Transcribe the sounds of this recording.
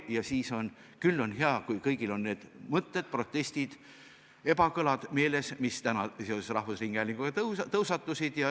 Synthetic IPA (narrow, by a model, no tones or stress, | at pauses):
jɑsiːso̞n | kylːo̞nɦeɑkujkɤjɡ̥ilo̞nːe̞ːd̪̥mɤt̪ːed̪̥̚pro̞t̪ˑːe̞sʲt̪id̪̥ | e̞bɑkɤlɑd̪̥me̞ːle̞smist̪ænɑseo̞sesrɑhvusriːŋɡ̥æːlʲiŋɡ̥uɡ̥ɑt̪t̪ɤwsɑt̪ːˑusid̪̥jɑ